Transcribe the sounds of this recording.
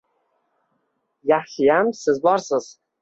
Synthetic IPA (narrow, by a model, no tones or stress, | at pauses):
jaχʃɪjamsɪzbɒɾsɪz̥